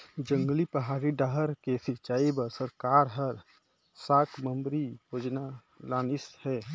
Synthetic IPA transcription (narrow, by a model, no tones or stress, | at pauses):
d͡ʒə̃ŋɡlipəɦaːɾiɖaɦəɾkesɪt͡ʃaːibəɾsəɾkaːɾɦəɾ | saːkʰməmbɾijoːd͡ʒna | laːnɪshɛː